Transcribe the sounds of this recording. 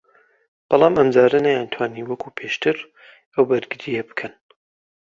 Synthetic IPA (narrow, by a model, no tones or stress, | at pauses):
b̥ɑlˠɑːmɐmd͡zaːɾɐnajant̪ʰwaːniːwɐkʰuːpʰeːʃt̪ʰɨɾ | ʔɐwbɐɾɡɨɾijɐbɨ̥kʰɐn